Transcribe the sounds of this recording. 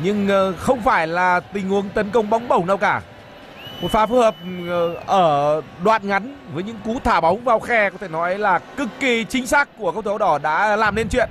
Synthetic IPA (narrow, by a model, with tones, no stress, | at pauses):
ɲɨ˧ŋxə˧wŋ͡mfaː˧˩jlaː˨˩t̪ï˨˩ŋ̟hu˨˦əŋt̪ə˨˦nkə˧wŋ͡mɓa˨˦wŋ͡mɓə˧˩wna˧wkaː˧˩ | mo˨˩t̚faː˨˦fu˦˥həː˨˩p̚ʔəː˧˩ɗwa̰ː˧˨nŋa˨˦jnvəː˨˦jɲɨ̰˧˥ŋku˨˦t̪ʰaː˧˩ɓa˨˦wŋ͡mvaː˧wxɛ˧kɔ˨˦t̪ʰe˧˩nɔ˨˦ə˨˦jlaː˨˩kɨ˦˥kːi˧t͡ɕï˨˦ŋ̟saː˦˥kːu˧˩əka˦˥w̚t̪ʰə˨˦ɗɔ˧˩ɗa̰ː˧˥laː˨˩mne˧nt͡ɕwḭ˧˨ən